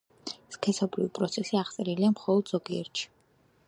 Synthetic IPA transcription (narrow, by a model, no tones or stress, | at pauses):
skʰɛsɔbɾivipʼɾɔt̪sʰɛsiaʁt̪sʼɛɾiliamχɔlˠɔd̪z̥ɔɡiɛ̰ɾt̪ʃi̥